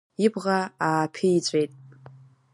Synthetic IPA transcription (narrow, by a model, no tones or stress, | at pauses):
ibʁaaːpʰiit͡ɕʷʼejtʼ